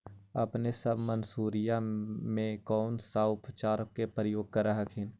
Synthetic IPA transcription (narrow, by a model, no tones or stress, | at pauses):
ɐ̰pnesəbʱmənsuːɾijamẽkɔːnsaːʊpt͡ʃaːɾəkːepɾəjoːɡ̚kəɾaɦəkʰɪn